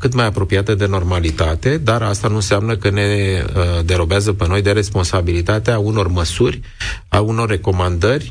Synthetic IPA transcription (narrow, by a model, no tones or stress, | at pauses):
kɨt̪majapɾo̞pijat̪əd̪e̞no̞rmalit̪at̪e̞d̪aɾast̪anunseamnəkəne̞ | d̪eɾo̞beazəpeno̞jd̪e̞ɾe̞spo̞nsabilit̪at̪eauno̞rməsurʲ | auno̞rːe̞ko̞mand̪ərʲ